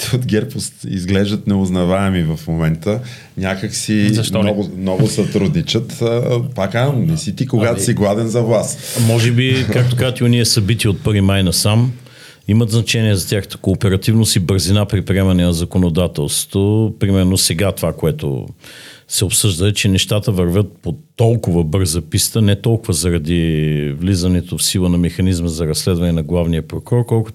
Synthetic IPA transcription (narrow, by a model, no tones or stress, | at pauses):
t̪od̪ɡʲɛɾpost̪ḭzɡlɛʒd̪ət̪nɛoznɐvaɛmivɐfmomɛnt̪ə | nʲakəksizɐʃt̪ɔnɔɡnɔvʊsɐt̪ɾud̪nit͡ʃət̪əpakanɛsit̪ikoɡat̪o̥siɡlˠad̪ɛnzɐvlˠasmɔʒɛbikak̚t̪okazət̪ioniɛsɐbit̪iot̪̚pɤɾvimajnɐsam | imət̪znɐt͡ʃɛniɛzɐt̪ʲaxə̥t̪ə̥koːpɛɾɐt̪ivnosibəɾzinapɾipɾiɛmɐnɛnɐzɐkonod̪at̪ɛlˠst̪vo̥t̪opɾimɛɾnosɛɡat̪ovakoɛt̪o̰ | sɛopsɤʒd̪əɛt͡ʃɛnɛʃt̪at̪əvɐɾvʲət̪̚pot̪ɔlˠkʊvəbɤɾzɐpist̪ənɛt̪ɔlˠkʊvəzɐɾɐd̪ivlizɐnɛt̪ofsilˠənɐmɛxɐnizməzɐɾɐsːlɛd̪vɐnɛnɐɡlˠavnijəpɾokɔɾkɔlˠkʊ